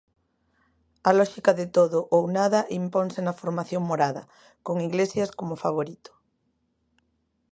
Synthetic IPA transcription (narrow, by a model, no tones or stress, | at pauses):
alɔʃikaðet̪oðoʔownaðaʔimponsenafoɾmaθjoŋmoɾaðɐ | koŋiɣlesjaskomofaβ̞oɾit̪o̥